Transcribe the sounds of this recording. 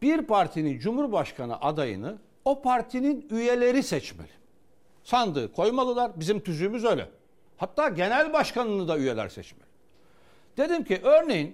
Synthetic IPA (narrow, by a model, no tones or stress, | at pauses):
b̥iɾpʰaɾt̪ʰinind͡ʒumhuɾbaʃkʰanɯ̰ʔad̪ajɯ̰nɯ | o̞pʰaɾt̪ʰininyje̞lʲe̞ɾisɛt͡ʃmḛlʲi̥ | sand̪ɯ̰ːkʰo̞jmalˠɯlˠaɾbizimt̪ʰyzyjmyzø̞jlʲɛ̰ | hat̪ːaːɟe̞nælʲbaʃkanɯnɯd̪ayjelʲæ̰ɾsɛ̰t͡ʃmelʲi̥ | d̪̥e̞d̪imcʰiʔøɾnejin